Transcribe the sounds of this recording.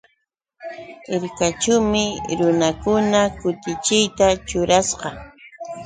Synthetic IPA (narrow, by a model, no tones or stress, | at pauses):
ɪɾkat͡ʃʊwmɪɾʊnakʊnakʊt̪ɪt͡ʃɪjt̪at͡ʃʊɾasqɑ